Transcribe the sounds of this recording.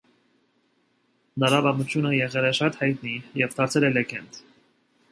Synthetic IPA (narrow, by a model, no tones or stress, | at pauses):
nəɾɑbɑmut͡ʃʰjunəjɛʁɛlɛʃɑt̪hɑjt̪nijɛvt̪ʰɑɾt͡sʰɛlɛlɛɡɛnd̪